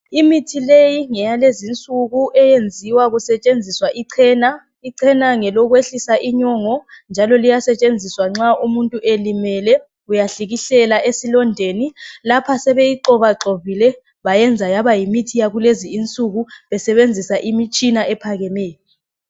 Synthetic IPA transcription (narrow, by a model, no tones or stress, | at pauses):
imitʰilejiŋɛjalezint͡sʼuɣuʔɛjend͡zʱiwaɣusɛt͡ʃʼend͡zʱiswaʔiǀʰɛːna | iǀʰɛnaŋɛlɔɣweɬisaʔiɲɔŋɔnd͡ʒʱalɔlijasɛt͡ʃʼend͡zʱiswaŋ͡ǁaumuntʼuʔelimɛlɛ | ujaɬiɣiɬɛlaʔesilɔndʱenilapʰasɛβejiǃɔβaǁoβilɛ | βajɛnd͡zʱajaβajimitʰijaɣuleziːnt͡sʼuɣuβɛsɛβend͡zʱisaʔimit͡ʃʼinaʔɛpʰaɣɛmɛːjɔ